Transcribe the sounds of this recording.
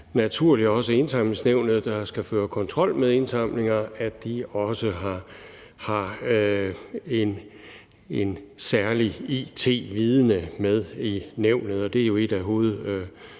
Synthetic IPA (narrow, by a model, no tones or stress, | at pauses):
næt͡sʰuɐ̰lid̥ɒ̽səe̝nsɑ̈m̰l̩əsneʊ̰nð̞̩ˠd̥ɑ̈sɡ̥æføːɐkʰɒ̽nt͡sʰʁɒ̽l̰með̞ˠe̝nsɑ̈m̰le̝ŋɐæd̥iɒ̽səɦɑ̈ | hɑ̈ | e̝n | ensæɐliit͡sʰe̝̰ːʋiːð̞ˠənəmeð̞ˠineʊ̰nð̞̩ˠɒ̽d̥e̝æɐjo̝e̝d̥æɦo̝ːð̩ˠø